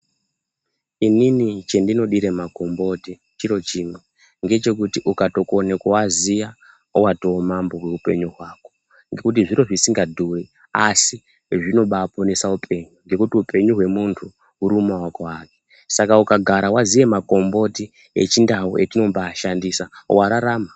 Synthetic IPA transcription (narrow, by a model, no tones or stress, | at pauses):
ininit͡ʃe̞ndino̞ɗiɾemako̞mbo̞ti | t͡ʃiɾo̞t͡ʃime | ŋɡe̞t͡ʃe̞k̬utiʔukato̞konekowazija | uwato̞ːmambo̞ɦwe̞upe̞̰ɲuɦwaːko̞ | ŋɡe̞kut̬iʐiɾo̞ʐisiŋɡadʱure | asi | ʐino̞ɓaːpo̞ne̞saupʰe̞ɲuŋɡe̞kutiupʰe̞ɲuɦwe̞muntʰu | uɾumawakoaːki̥ | sakaukaɡʱaɾawaziʋe̞mako̞mbo̞ti | ḛt͡ʃindawṵʔetino̞mɓaːʃandisawaɾaɾaːma